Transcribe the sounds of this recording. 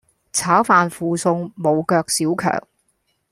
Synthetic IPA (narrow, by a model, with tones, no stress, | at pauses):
t͡sʰaː˨˥wfaː˨nfuː˨sʊ˧ŋmo˨˧wkœː˧k̚siː˨˥wkʰœ̰ː˨˩ŋ